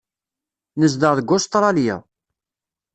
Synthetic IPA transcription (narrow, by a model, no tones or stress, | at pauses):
nəzd̪əʁðəɡʊst̪ˤɾˤɑljæ̰